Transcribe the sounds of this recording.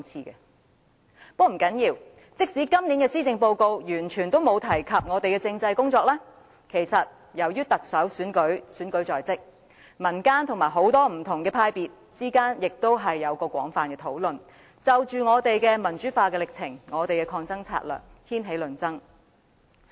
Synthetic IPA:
ŋt͡sʰiː˨˧kɛ̰˧ | pɔː˥m̩˨˩kɐ˨˥njiː˧w | t͡sɪ˥k̚si˨˥kɐ˥mniː˨˥nkɛː˧siː˥t͡sɪ˨˧ŋpo˧wko˧wjyː˨˩nt͡ʃʰyː˨˩nt̪o˥wmo˨˧wt̪ʰɐ˨˩jkʰɐ˨p̚ŋɔː˨˧t̪e˨jkɛː˧t͡sɪ˧ŋt͡sɐ˧jkʊ˥ŋt͡sɔː˧k̚lɛː˥ | kʰe˨˩jsɐ˨t̚ | jɐ˨˩wjyː˥t̪ɐ˨k̚sɐ˨˥wsyː˨˥nkɵ˨˥ɥsyː˨˥nkɵ˨˥ɥt͡sɔː˨jt͡sɪ˥k̚ | mɐ˨˩nkaː˥nt̪ʰʊ˨˩ŋmaː˨˩jɦo˨˥wt̪ɔː˥m̩˨˩t̪ʰʊ˨˩ŋkɛː˧pʰaː˧jpiː˨t̚siː˥kaː˥njɪ˨k̚t̪o˥wɦɐ˨jːɐ˨˧wkɔː˧kʷwʷɔ̰ː˨˥ŋfaː˨nkɛː˧t̪ʰo˨˥wlɵ˨n | t͡sɐ˨wt͡ʃyː˨ŋɔː˨˧t̪e˨jkɛː˧mɐ˨˩nt͡ʃy˨˥faː˧kɛ˧lɪ˨k̚t͡sʰɪ˨˩ŋŋɔː˨˧t̪e˨jkɛː˧kʰɔː˧ŋt͡sɐ˥ŋt͡sʰa̰ː˧˥t̚lœ̰ː˨˩k̚hiː˥nɦe˨˥jlɵ˨˩nt͡sɐ˥ŋ

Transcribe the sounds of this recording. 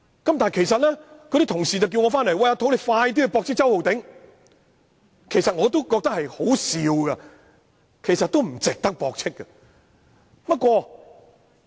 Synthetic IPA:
kɐ˨˦mt̪aː˨˩˨jkʰe˨˩jsɐ˨t̚lɛː˥kʰɵ˧ɾi˧˥t̪ʰʊ˨˩ŋsi˨t͡sɐ˨wk̬iː˧wŋɔː˨˧faː˥nlɐ˨˩jwɐ˧jɐ˧t̪ʰo˨˥wle˨˧jfaː˧jt̪̬iː˥kːɵ˧pɔː˧k̚t͡sʰɪ˥k̚t͡sɐ˥who˨wt̪ɪ˨˥ŋ | kʰe˨jsɐ˨t̚ŋɔː˨˧t̪o˥wkɔː˧k̚t̪ɐ˥khɐ˨jho˨˥wsiː˨˧wɡɐ˧ | kʰe˨˩jsɐ˨t̪̚o˥wm̩˨˩t͡sɪ˨k̚t̪ɐ˥k̚pɔː˨˧k̚t͡sʰɪ˥kːɐ˧ | pɐ˥t̚kʷɔː˧

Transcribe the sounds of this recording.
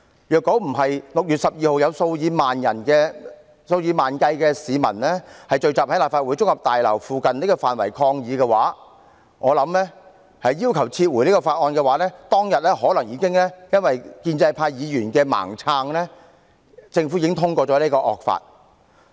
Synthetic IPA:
jœː˨kːɔ˨˥m̩˨˩ɦɐ˨jlʊ˨k̚jy˨t̚sɐ˨p̚jiː˨˧ho˨wjɐ˨˧wso˧wjiː˨˧maː˨njɐ̰˨˩nkɛː˧ | so˧wjiː˨˧maː˨nkɐ˧jkɛː˧siː˨˧mɐ̰˨˩nlɛː˥hɐ˨jt͡ʃɵ˧ɥt͡saː˨p̚hɐ˥laː˨˩pfaː˧t̚uː˨˥jt͡sʊ˥k̚hɐ˨p̚t̪aː˨jlɐ̰˨˩wfuː˨kɐ˨nli˥kɔː˧faː˨nwɐ̰˨˩jkʰɔː˧ŋjiː˨˧kɛː˧wa̰ː˨˥ | ŋɔː˨˧lɐ˨˧˥mlɛː˥ | hɐ˨jːiː˥wkʰɐ˨˩wt͡sʰiː˧t̚wuː˨˩jniː˥kɔː˧faː˧t̚ʔɔː˧nkɛː˧waː˨˥lɛː˥t̪ɔː˥ŋjɐ˨t̚lɛː˥hɔː˨˥lɐ˨˩ŋjiː˨˧kɪ˥ŋlɛː˥jɐ˥nwɐ˨jkiː˧nt͡sɐ˧jpʰaː˧jjiː˨˧jyː˨˩nkɛː˧ma̰ː˨˩ŋt͡sʰaː˧ŋlɛː˥ | t͡sɪ˧ŋfu˨˥jɪ˧˥ŋt̪ʰʊ˥ŋkʷɔː˧t͡sɔː˨˥nliː˥kɔː˧ʔɔ̰ː˨k̚fa̰ː˧t̚

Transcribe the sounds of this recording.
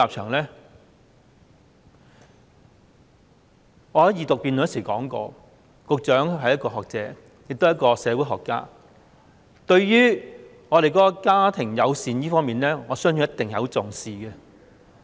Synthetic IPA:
aː˨p̚t͡ʃʰœː˨˩ŋlɛː˥ | ŋɔː˨˧hɐ˨˥jiː˨˧t̪ʊ˨k̚piː˧nlɐ˥siː˨˩kɔː˨˥ŋkɔ̰ː˧ | kʊ˨k̚t͡ʃœː˨˥ŋɦɐ˨jɐ˥tkɔː˧ɦɔː˨k̚t͡sɛː˨˦˥ | jɪ˨k̚t̪wjɐ˥t̚kɔː˧sɛː˨˧wu˨˥ɦɔː˨˩kːa̰ː˥ | t̪ɵ˧ɥjyː˥ | ŋɔː˨˧ɾe˨jkɔː˨˦˥kɔ˧kaː˥t̪ʰɪ˨˩ŋjɐ˨˧wsiː˨njiː˥fɔː˥ŋmiː˨nlɛː˥ŋɔː˨˧sœː˥ŋjyː˨˥jɐ˥t̪ɪ˨ŋjɐ˨˥wt͡sʊ˨ŋsiː˨ɡɛ˧

